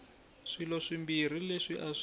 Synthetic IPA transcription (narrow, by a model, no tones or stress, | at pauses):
ʂilɔʂimbir̤ileʂiʔaʂ